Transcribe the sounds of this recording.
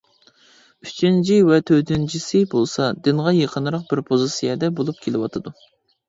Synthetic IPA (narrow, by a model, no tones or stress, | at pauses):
yt͡ʃʰint͡ʃʰiwɛt̪ʰød̪ynt͡ʃʰisɪbolˠsɑd̪ɪnʁɑjeqʰənɾəq̚bɪɾpʰozɨsijɛd̪ɛbolˠup̚kʲʰelɪwɑt̪ʰɨd̪u